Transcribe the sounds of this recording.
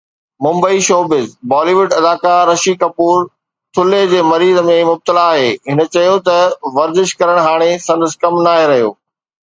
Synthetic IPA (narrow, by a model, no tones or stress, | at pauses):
mʊ̃mbəiʃoːbɪzbɔːliːʋʊɖɐd̪aːkaɾɐʃikɐpuːɾ | t̪ʰʊled͡ʑeːmɐɾiːzəmẽmʊb̚t̪əlaːɦeːɦɪnə̆t͡ɕɐjot̪ɐʋɐɾzɪʃkɐɾəɽ̃ɦaːɽ̃esɐ̃nd̪əskɐmnaːɦeɾɐɦijo̰ː